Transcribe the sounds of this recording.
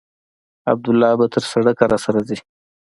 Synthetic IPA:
a̰b̚d̪ʊlːɑbat̪ʰəɾsaɽəkaɾasaɾazi

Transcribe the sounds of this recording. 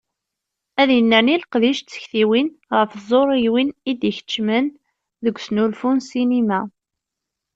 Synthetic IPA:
æðjənːənilqðiʃt͡sːə̥çθiwinʁəfzˤoɾˤiwinid̪içə̥t͡ʃːmən | ðəɡʷsnulfunsinimæ

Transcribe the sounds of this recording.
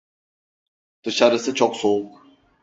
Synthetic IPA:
d̪̥ɯʃaɾɯsɯt͡ʃʰɔksouk

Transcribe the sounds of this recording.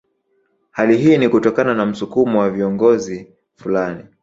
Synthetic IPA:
haliɦiːnikutɔkananam̩sukumɔwaviɔŋɡɔzi | fulani

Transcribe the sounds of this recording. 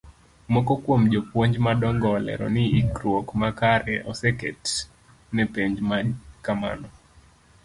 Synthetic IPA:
mɔkɔkwomd͡ʒopwoɲd͡ʒmadɔŋɡɔlɛ̰ɾɔ̰nɪːkɾwokmakaɾɛʔɔsɛkɛt | nɛpeɲd͡ʒmakama̰nɔ

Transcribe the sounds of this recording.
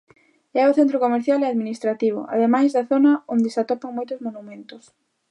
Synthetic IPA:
ɛʊθent̪ɾokomeɾθjalɛaðminist̪ɾat̪iβ̞ʊ̰ʔa̰ðemajzðɐθonɐond̪esat̪opaŋmojt̪ʊzmonumẽnt̪ʊs

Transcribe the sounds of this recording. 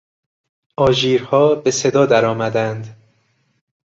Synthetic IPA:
ʔɒːʒiːɾhɒːbe̞se̞d̪ɒːd̪æɾɒːmæd̪ænd̪

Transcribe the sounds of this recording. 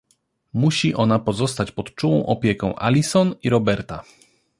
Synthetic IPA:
muɕiʔɔnapɔzɔst̪at͡ɕpɔt̪t͡ʂuwɔ̃w̃ʔɔpʲjekɔ̃w̃ʔa̰lʲisɔniɾɔbɛɾt̪a

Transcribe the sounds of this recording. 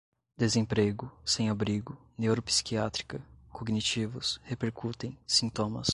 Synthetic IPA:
d̪ezẽpɾeɡʊsẽj̃abɾiɡʊ | newɾopsi̥kiat̪ɾi̥kɐkʰoɡnit͡ʃivʊshepeɾkut̪ẽj̃sĩnt̪õmɐ̰s

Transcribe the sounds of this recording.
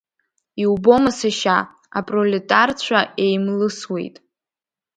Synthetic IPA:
iubo̞masaʃa | a̰pʼroletʼart͡ɕʷʰae̞jmlɨswe̞̰jtʼ

